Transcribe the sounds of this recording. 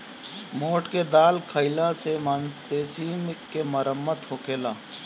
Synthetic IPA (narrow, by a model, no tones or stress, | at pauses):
moːʈked̪aːlkʰəɪlãsemanspeːsiːmkeməɾəmːət̪hoːkeːlaː